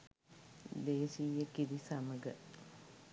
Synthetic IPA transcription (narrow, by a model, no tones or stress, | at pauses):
d̪eːsijekiɾisaməɡə